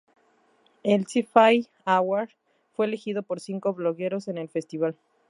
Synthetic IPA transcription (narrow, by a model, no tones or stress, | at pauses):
elsifaj | awaɾ | fwe̞elexiðo̞po̞ɾsiŋko̞βlo̞ɣe̞ɾo̞se̞ne̞lfe̞st̪iβ̞al